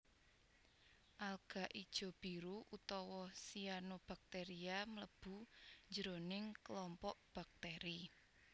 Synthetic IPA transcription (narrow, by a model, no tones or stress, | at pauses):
ʔalɡ̥a̤ʔid̥ʒ̥ɔ̤b̥i̤ɾuʔut̪ɔwɔsianob̥a̤k̚t̪eɾiamələb̥ṳɲd͡ʒəɾonɪŋklɔmpɔʔb̥a̤k̚t̪eɾi